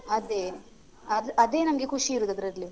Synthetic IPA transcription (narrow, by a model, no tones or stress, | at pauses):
ɐd̪eː | ɐd̪ɐd̪e̞ːnɐmɐɡekʰuʂiːɾuːd̪ɐd̪ɾɐɾli